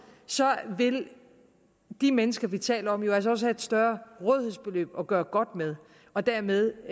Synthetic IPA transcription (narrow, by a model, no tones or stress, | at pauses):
sɒ̽ʋe̝l | d̥imenəsɡ̥ɐʋit͡sʰɛ̰ːləɒ̽mjo̝æls̬ɐɒ̽səhæe̝d̥sd̥ɶɐʁɔð̞ˠhe̝ðˠsb̥e̝lø̰ːb̥ɒ̽ɡ̥ɶːɐɡ̥ɒ̽d̥með̞ˠ | ɒ̽d̥æɐ̰meðˠ